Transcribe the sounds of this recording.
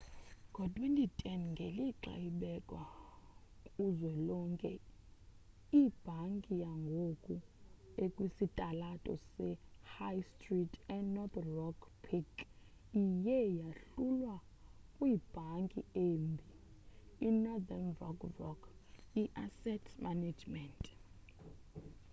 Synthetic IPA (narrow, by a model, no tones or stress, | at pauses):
ŋɡʱɔtʼwɛntitʰʼɛnŋɡʱeliǁa̰jiɓɛkʼwa | kʼuzwɛlɔŋkʼɛ | ib̥ʱaŋkʼijaŋɡʱokʼuekʼwisitʼalatʼɔ̰sɛhajstʼritʼɛnɔt̪rɔkpʰik | ijɛjaɬulwa | kʼwiːb̥ʱaŋkʼieːmbʱi | inɔdanvɔkvɔkʰiʔasɛtʰmaned͡ʒmɛntʼ